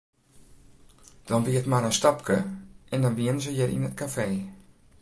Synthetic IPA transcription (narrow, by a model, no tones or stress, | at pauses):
d̥ɔnʋiətmaɾənstapkəʔɛndɔnʋiənəzəjərʔḭnət̚kafeː